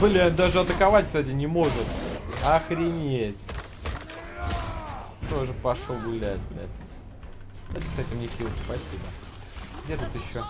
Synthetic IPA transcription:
blʲæd̪aʐɨɐt̪əkɐvatʲkst̪atʲɪnʲɪmo̞ʐɨt̪ɐxɾʲɪnʲetʲ | t̪o̞ʐɨpɐʂoɡʊlʲætʲd̪lʲa̰t̪ʲ | at̪ʲɪkst̪atʲɪlʲnʲɪfʲilʲˠspɐsʲibə | ɡdʲet̪ut̪ɪɕːo

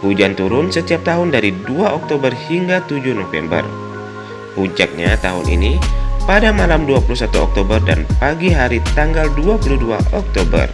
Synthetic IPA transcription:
hud͡ʒant̪uɾʊnsət̪iap̚t̪aɦʊndaɾiduaʔɔk̚t̪obərhiŋɡat̪ud͡ʒʊhnofɛ̰mbə̰r | hud͡ʒak̚ɲat̪aɦʊnʔḭnipadamalamduapulusat̪uɔ̰k̚t̪obərda̰npaɡiɦaɾit̪aŋɡalduapuludua̰ʔɔk̚t̪obə̰r

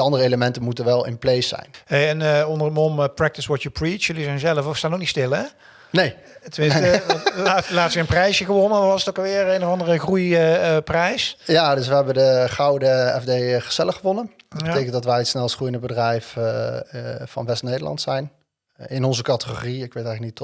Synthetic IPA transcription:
dəɑndərəeləmɛntənmutənʋɛlˠɪ̰nplejsɛ̰jnɦejɛnəɔndərənɔməprɛk̚tɪsʋɔtupɹit͡ʃjɵlizɛjnzɛləfɔstaːnok̚nitstɪlˠɛ | nej | tʋɪ | atlaːtʋəənprɛjsəɣəʋɔnəʋɑsətokʋɪːrejnəvɑndərəxrujəprɛjsjaːdɵs̬ʋəɦɛbəndəχɑwdəɛ̰vdejχəz̥ɛləχəʋɔnənbbtejkəntdɑtʋɛjətsnɛlˠsχrujəndəbədrɛjf | fɑ̰nʋɛstnejdəlɑ̰ntsɛjn | ɪnɔnzəkɑtəχo̰riɪkʋejtɛjɣləknit

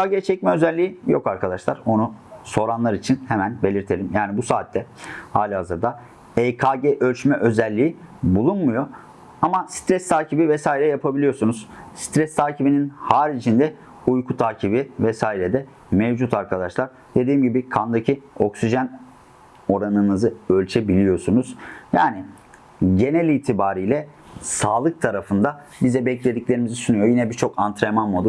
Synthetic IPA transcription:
kaɟet͡ʃʰɛc̚mɛøzɛlʲːiijo̞kaɾkʰad̪aʃlˠaɾo̞nuso̞ɾanlˠaɾit͡ʃʰinhemænbe̞lʲiɾt̪ʰe̞lʲimjaːnibusaːt̪ʰːɛhaːlʲihazɯɾd̪a | ekʰaɟɛʔø̞lʲt͡ʃmɛʔø̞zɛlʲːiːibulˠunmujo̞ | amasi̥t̪ɾɛst̪ʰaːcʰibivɛsaːiɾɛjapʰabilʲijo̞ɾsunuz̥si̥t̪ʰɾɛst̪ʰaːcʰibininhaːɾit͡ʃʰind̪ɛ | ujkʰut̪ʰaːcʰibivɛsaːiɾɛd̪ɛ | mevd͡ʒut̪ʰaɾkʰad̪aʃlˠaɾ | d̪ed̪iːmɟibikʰand̪acʰio̞ksiʒæn | o̞ɾanɯnɯzɯølʲt͡ʃʰɛbilʲijo̞sunuz̥jaːnɪ | ɟe̞nɛlʲiːt̪ʰibaːɾijlʲɛ | saːlˠɯk̚t̪ʰaɾafɯnd̪a | bizɛbɛclʲe̞d̪iclʲe̞ɾimizisunujo̞jinɛbiɾt͡ʃʰo̞kʰant̪ɾemanmod̪u

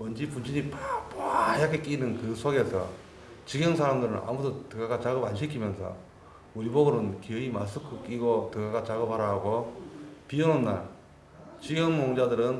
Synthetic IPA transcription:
mʌnd͡ʑipunɕʰiɲipapaiɾakʰek͈ʼinɯnkɯsʰoɡe̞sʰʌ̰ | t͡ɕiɡjʌŋsʰaɾamdɯɾɯna̰mudotɯɡaɡat͡ɕaɡɯbanɕʰikʰimjʌnsʰʌ̰ | uɾiboɡɯɾɯnkieimas̬ʰɯkʰuk͈ʼiɡotɯɡaɡat͡ɕaɡɯbaɾaɦɡopiɯnonːa | t͡ɕiɡjʌŋmoŋd͡ʑadɯɾɯn

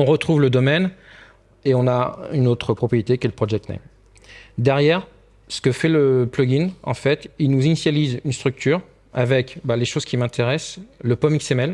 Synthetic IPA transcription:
ɔ̃ʁət̪χuvləd̪ɔmɛn | eɔ̃naynot̪χəpχɔpχijet̪ekələpχɔʒɛk̚t̪nɛ̰m | d̪ɛʁjɛʁ | sə̥kəfɛləplɔɡinɑ̰̃fɛt̪ilnuzinisjalizynst̪χyk̚t̪ʰyʁ | avɛkbaleʃozkʲimɛ̃t̪eʁɛsləpɔmiksemɛl

